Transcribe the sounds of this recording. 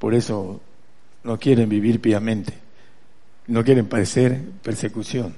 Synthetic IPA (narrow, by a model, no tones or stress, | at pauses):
po̞ɾe̞so̞ | no̞kje̞ɾembiβiɾpiamẽ̞nt̪e̥ | nok̬je̞ɾempaɾeseɾpeɾse̞kusjo̞n